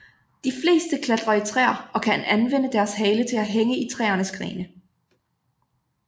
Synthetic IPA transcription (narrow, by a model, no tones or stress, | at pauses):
d̥ifle̝̰ːsd̥əkʰlæd̥ʁɐit͡sʰʁɛ̰ːɐ̰ɒ̽kʰænʔænʋen̰əd̥æɐsɦɛːlət͡sʰe̝læɦeŋəit͡sʰʁɛ̰ːɐnəsɡ̥ʁḭːnə